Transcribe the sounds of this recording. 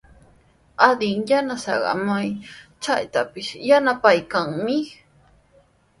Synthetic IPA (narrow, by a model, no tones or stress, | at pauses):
ad̪ɪŋjanasɑ̰ɢɑ̰majt͡ʃajt̪apɪʃjanapajkaŋmɪ